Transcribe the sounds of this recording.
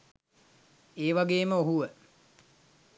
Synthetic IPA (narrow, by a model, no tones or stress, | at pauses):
eːʋaɡeːməoɦuʋə